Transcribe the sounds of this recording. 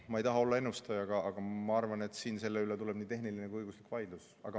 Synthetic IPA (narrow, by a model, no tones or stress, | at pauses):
mɑejt̪ɑɦɑo̞lːɑe̞nust̪ɑjɑɡ̥ɑʔɑɡ̥ɑmɑɑrvɑne̞t̪ːˑsiːnse̞lːe̞ylet̪ule̞b̥niːt̪e̞ɦnilinekujɤjɡuslikːˑvɑjd̪̥lus | ɑ̰ɡ̥ɑ